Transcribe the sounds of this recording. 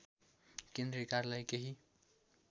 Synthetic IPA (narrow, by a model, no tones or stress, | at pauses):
kend̪ɾikarlajkeɦi